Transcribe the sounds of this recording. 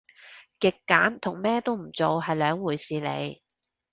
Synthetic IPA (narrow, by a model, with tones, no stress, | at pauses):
kɪ˨kːaː˨˥nt̪ʰʊ˨˩ŋmɛː˥t̪o˥wm̩˨˩t͡so˨wɦɐ˨jlœː˨˧ŋwuː˨˩jsiː˨˧lḛ˨˧j